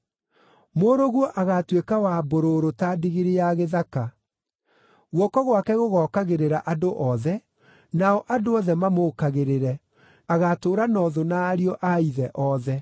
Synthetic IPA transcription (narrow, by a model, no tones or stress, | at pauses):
moːɾoɣwɔʔaɣatwekawaboɾoɾotadiɣeɾejaɣeðaka | ɣwɔkɔɣwakɛɣoɣɔkaɣeɾeɾaʔadoʔɔðɛ | naɔʔadoɔðɛmamokaɣeɾeɾɛ | aɣatoːɾanɔðonaːɾiɔʔaiðɛʔɔðɛ